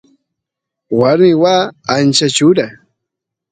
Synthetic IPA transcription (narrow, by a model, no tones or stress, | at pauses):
waɾmɪwaːnt͡ʃat͡ʃʊɾa